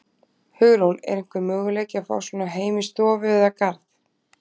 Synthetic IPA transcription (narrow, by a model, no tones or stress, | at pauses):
hʏɣlownɛ̰ɾɪŋ̥kvʏɾmœːɣlejcɪafa̰ːwsvɔːnaɦeːjmɪst̪ɔːvʏðakaɾθ